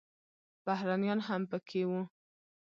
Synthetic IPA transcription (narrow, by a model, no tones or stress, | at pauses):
b̥ahɾanijɑnɦampəkʰewu